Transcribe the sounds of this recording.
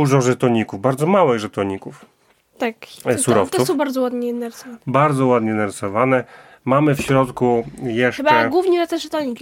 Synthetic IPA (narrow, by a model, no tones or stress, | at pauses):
uʐɔʐɛt̪ɔɲikuvbaɾd̪zɔmawɘɣʐɛt̪ɔɲikuf | t̪aksuɾɔft̪t̪ɛufsɔ̃w̃baɾd̪zɔwad̪ɲɛnaɾɪsɔvanbaɾd̪zɔwad̪ɲɛnaɾɘsɔvanɛ | mamɘfɕɾɔt̪kujɛʂbɛɡwuvɲiɾɛt̪ɛʐɛt̪ɔɲikʲ